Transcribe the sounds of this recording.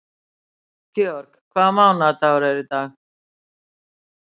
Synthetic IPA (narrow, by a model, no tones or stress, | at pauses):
kioɾkkʰaːmãːũnaːt̪aoɾeːɾit̪aː